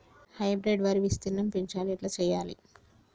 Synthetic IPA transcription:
hɐjbɾeɖʋaɾiʋist̪inːɐmpiɲt͡ʃaːliɐʈlɐt͡ʃɛːjːaːlḭ

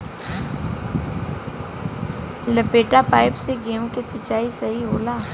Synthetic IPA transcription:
ləpeːʈapaːɪpseɡeːõkesɐt͡ʃːaːisɐɦiɦoːlaː

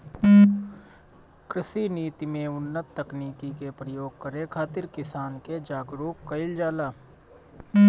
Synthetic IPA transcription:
kɾɪsiniːt̪imẽʊnːət̪ːəkniːkikepɾəjoːɡ̚kəɾekʰaːt̪ɪɾkɪsaːnked͡ʒaːɡɾuːkːəɪld͡ʒaːlaː

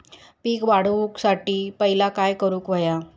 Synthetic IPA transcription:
piːkʋaɽ̤ʋuksaʈiːpəɦilakajkəɾuːkʋəja

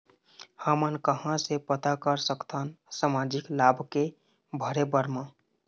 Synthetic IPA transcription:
həmənkəɦãsepət̪akəɾsəkt̪ʰənsamad͡ʒiklabʱke | bʱəɾebəɾmã

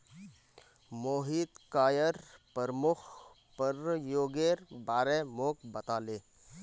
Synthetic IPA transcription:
moːɦiːt̪kaːjəɾpəɾmʊkʰ | pəɾjoːɡeːɾbaːɾemoːkbət̪aːleː

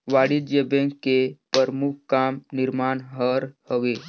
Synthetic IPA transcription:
ʋaːɽid͡ʒebẽŋkːepəɾmukʰkaːmnɪɾmaːɳɦəɾhəʋe

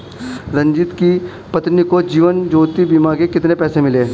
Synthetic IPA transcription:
ɾɐ̃ɲd͡ʒɪt̪ki | pɐt̪nikod͡ʒiːʋənd͡ʒoːt̪ibimaːɡekɪt̪nepɛːsemɪleː

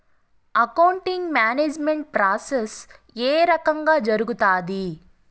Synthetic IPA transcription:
ɐkɐwɳʈiŋɡmjaːneːd͡ʒmeɳʈ̚pɾaːses | eːɾɐkɐŋɡaːd͡ʒɐɾuɡut̪aːd̪i

